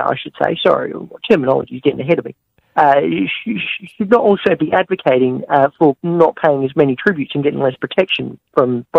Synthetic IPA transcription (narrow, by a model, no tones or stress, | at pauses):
a̰ɪʃɨd̥sḛɪsɑ̰ɹḭtʰɜ˞mənɑ̰lˠə̰d͡ʒizɡɛɾɪ̃ŋɨɦɛɾʌvɪ̰t̚ | ʌʃiʃɨdⁿnəɾɔlˠsoʊbiʔædvɨkʰeɪɾɪ̃ŋʌfə˞nət̚pʰeɪɪ̃ŋɨzmɛñitʰɹ̥ɪbjʉtsɨ̃nɡɛɾɪ̰̃ŋlɛspʰɹ̥ɨtʰɛkʃɨ̃nfɹʌ̃mb̥